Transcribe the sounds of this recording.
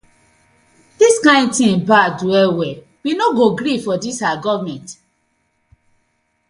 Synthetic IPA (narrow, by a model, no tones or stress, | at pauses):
d̥iskãɪ̃nd̚tĩbaduɛwɛ | winoɡoɡɾifɔdisaaɡɔvmɛ̃nt